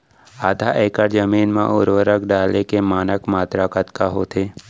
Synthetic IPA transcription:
aːd̪ʱaʔɛːkəɾd͡ʒəmiːnmã̰ʔʊɾʋəɾəkɖaːlekemaːnəkmaːt̪ɾakət̪kaɦot̪ʰeː

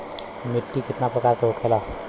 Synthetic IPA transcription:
miʈːikit̪napɾəkaɾkeɦokʰela

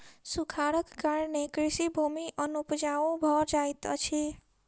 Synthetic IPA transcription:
sukʰaɽəkɡaɾnekɾisibʱumiʔənupd͡ʒaũbʱʌɾd͡ʒajt̪t͡ʃʰi

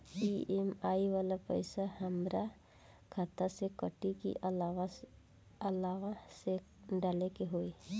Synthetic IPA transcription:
piːemaːiʋaːlapə̰ɪsahəmɾa | kʰat̪asekəʈikḭ | əlaːʋase | ɖaːlekeɦoːe

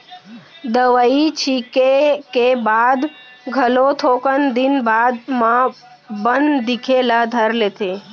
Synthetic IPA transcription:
d̪əʋəit͡ʃʰikekebaːd̪ | ɡʱəlot̪ʰoːkənd̪ɪnbaːd̪mã | bənd̪d̪ɪkʰelad̪ʱəɾleːt̪ʰeː

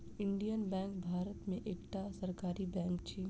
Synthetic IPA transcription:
ɪ̃ɳɖijənbɛ̃ːŋkbʱaːɾət̪mẽʔeːkʈasɐɾkaːɾibɛ̃ːŋk̚t͡ʃʰiː

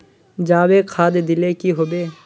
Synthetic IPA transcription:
d͡ʒaːweːkʰaːd̪d̪ɪlekiɦobeː

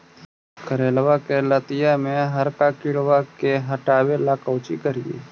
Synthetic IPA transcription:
kʰəɾeːlʋaːkelət̪ɪjamẽɦəɾkaːkɪɽʋakeɦəʈaːwelaːkəʊt͡ʃikəɾiḭː

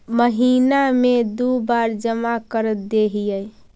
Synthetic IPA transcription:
məɦinamed̪ubaɾd͡ʒəmakəɾət̪̚d̪eɦijəj

